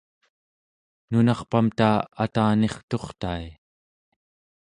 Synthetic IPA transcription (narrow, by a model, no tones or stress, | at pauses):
nunɑχpamt̪aːat̪aːne̞χt̪o̞χt̪ai